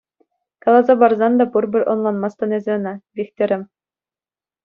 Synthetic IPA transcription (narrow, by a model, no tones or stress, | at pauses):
kɑlˠɑzɑbɑrzɑnd̪ɑbuɾbʲɘɾʔonlˠɑnmɑst̪ɑnezʲɘ̆ɤ̆nɑbʲikt̪ʲɘ̆ɾʲɘ̆m